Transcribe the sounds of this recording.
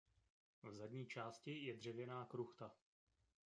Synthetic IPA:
vzadɲiːt͡ʃaːscɪjɛdr̝ɛvjɛnaːkɾuxt̪a

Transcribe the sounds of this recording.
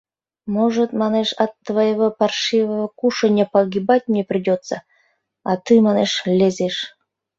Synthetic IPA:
moʒət̪mɑneʃɑt̪ːvajeβopɑrʃivəβəkuʂənʲəpɑɡʲibatʲmnʲeprʲidʲot̪t͡sə | ɑt̪ɨmɑneʃlʲezʲeʃ

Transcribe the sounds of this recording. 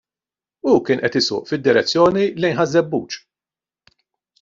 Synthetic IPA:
ukɪːnʔɛt̪ɪsʊ̰ːʔfɪd̪ːɪɾɛt͡sːjɔːnilɛjnħɐzːɛbːṵːt͡ʃ

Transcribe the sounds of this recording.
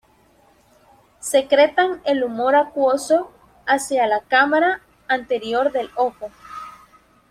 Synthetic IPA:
se̞kɾe̞t̪aŋe̞lumo̞ɾakwoso̞ | asjalakamaɾaː | nt̪e̞ɾjo̞ɾðe̞lo̞xo

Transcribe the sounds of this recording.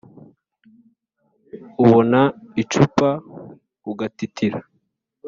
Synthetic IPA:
uβonait͡ʃupa | uɡatitʰiɾa

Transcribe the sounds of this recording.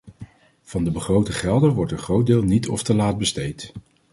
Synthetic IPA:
v̥ɑndəbəχrowtəχɛlˠdənʋɔɹtənχrowt̚dɪːlˠnitɔ̰ftəlaːt̚bəstejt

